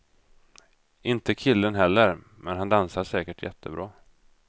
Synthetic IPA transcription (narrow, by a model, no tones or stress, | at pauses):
ɪnt̪əkʰɪlːənɦɛlːəɾ | mɛnɦand̪ansasɛːkəʈʰjɛ̰t̪ʰːəbɾɑː